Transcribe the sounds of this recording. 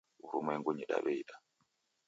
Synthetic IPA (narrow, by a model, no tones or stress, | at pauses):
uɾumɛŋɡuɲiɗa̰βɛiɗa